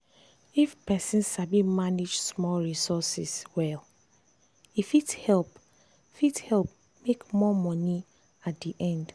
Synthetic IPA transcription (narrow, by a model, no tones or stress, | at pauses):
ifpɛsĩnsabimanid͡ʒsmɔlɹisɔsiswɛl | ifithɛlp | ifithɛlp | mekmɔmɔni | at̚diʔɛ̃nd